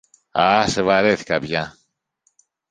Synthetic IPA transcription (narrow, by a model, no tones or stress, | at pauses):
asevɐɾeθi̥kɐpʝɐ